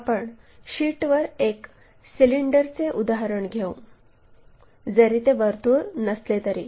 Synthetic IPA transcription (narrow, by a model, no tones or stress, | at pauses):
apəɳ | ɕiːʈʋəɾek | siliɳɖəɾt͡seʔud̪aɦaɾəɳɡʱeũ | d͡zəɾit̪eʋəɾt̪uːnəslet̪əɾiː